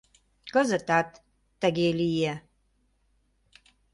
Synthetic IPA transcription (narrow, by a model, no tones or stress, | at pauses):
kəzət̪at̪ː | aɡʲelije